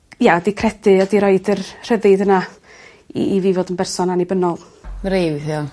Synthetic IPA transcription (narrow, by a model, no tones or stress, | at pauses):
jadikʰrɛdɨɔdiɾɔɨdərr̥əðɨdəna̰ | iviːvoːdənbɛrsɔnanibənɔlˠ | mɾewθjɔ